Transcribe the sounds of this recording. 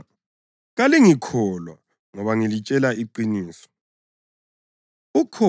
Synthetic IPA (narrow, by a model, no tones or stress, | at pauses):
ɣaliŋikʰɔlwa̰ | ŋɔβaŋilit͡ʃʼɛlaiǃiniːsɔ̥ | ukʰɔ